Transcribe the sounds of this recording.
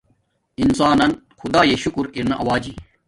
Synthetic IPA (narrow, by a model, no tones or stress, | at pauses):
insaːnɐn | xud̪aːjeɕukuɾiɾnɐʔɐwaːd͡ʑi